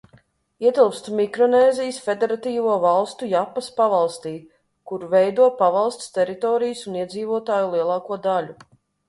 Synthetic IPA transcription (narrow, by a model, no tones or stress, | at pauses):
iɛt̪ilˠpst̪umikɾɔnɛːzijsfed̪eɾat̪iːvuɔvalˠst̪ujapːɐspavalˠst̪iː | kuɾuvɛjd̪uɔpavɑlˠst̪st̪ɛɾit̪ɔːɾijsuniɛd̪ziːvuɔt̪aːjulˠiɛlˠɑːkuɔd̪alʲu